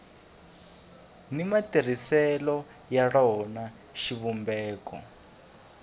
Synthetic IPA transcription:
nimatir̤isɛlɔ | jaɺɔna | ʃiβumbɛːkɔ̰

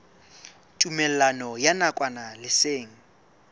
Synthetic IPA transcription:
tʼumɛlanɔjanakʼwanalɪseːŋ̩

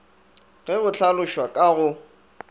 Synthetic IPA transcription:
ɣɛɣʊt͡ɬʰalʊʃwakʼaɣʊ

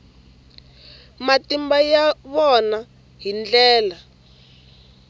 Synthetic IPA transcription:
matimbajaβɔna | ɦind͡ɮɛːla

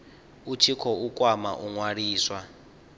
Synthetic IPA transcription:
ut͡ʃʰikʰɔukʼwama̰ʔuŋwaɾiːswa

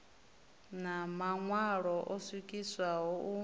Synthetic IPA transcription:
namaŋwaɺɔʔɔsikʼiswaɦɔu

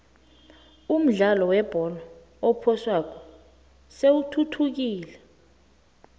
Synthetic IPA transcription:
um̩ɮalɔwɛb̥ʱɔlɔ | opʰɔswakʰɔ | sewutʰutʰuk̬iːlɛ

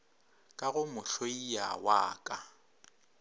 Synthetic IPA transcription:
kʼaɣʊmʊɬʰoija̰waːkʼa

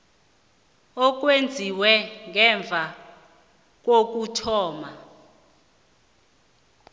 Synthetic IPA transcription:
ɔk̬wend͡zʱiwɛŋɛɱb̪vʱa | k̬ok̬utʰɔːma

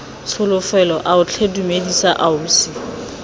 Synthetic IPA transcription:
t͡sʰʊlʊfɛlɔʔaʊt͡ɬʰedumedisaʔauːsɪ

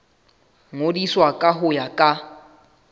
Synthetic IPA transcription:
ŋodiswakʼaɦʊjakʼa

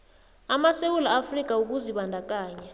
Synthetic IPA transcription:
amasewulaafrik̬ʼauk̬uziɓandʱak̬ʼaːɲa

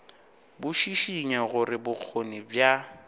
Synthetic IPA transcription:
bʊʃiʃiɲaɣʊɾɪbʊk͡xʰonibja

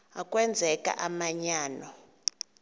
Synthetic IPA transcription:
akʼwɛnd͡zʱɛkʼa̰ʔamaɲaːnɔ

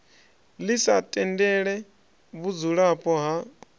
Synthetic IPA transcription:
lisatʼɛndɛɺɛ | βud͡zuɺapʼɔɦa

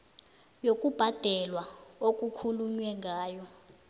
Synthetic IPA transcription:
jokʼub̥ʱad̥ʱɛlwaok̬ʼukʰuluɲwɛŋʱaːjɔ

